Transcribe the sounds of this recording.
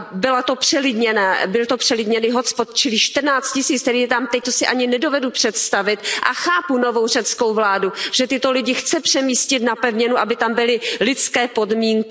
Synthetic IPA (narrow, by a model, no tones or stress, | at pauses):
bɪlat̪o̞pr̝̥ɛlɪdɲɛnaːbɪlt̪opr̥ɛlɪdɲɛnɪɦospot̪̚t͡ʃɪlɪʃt̪r̩naːt͡st̪̚cɪsiːt͡st̪ɛɾiːjɛt̪amt̪ɛc̚t̪osɪʔaɲɪnɛdo̞vɛdupr̥ɛt̪st̪avɪt̪ʔa̰xaːpuno̞vo̞wr̝ɛt͡sko̞wvlaːduʒ̥ɛt̪ɪt̪o̞lɪɟɪxt͡sɛpr̥ɛmiːscɪt̪napɛvɲɛnuʔabɪt̪ambɪlɪlɪt͡skɛːpo̞dmiːŋkɪ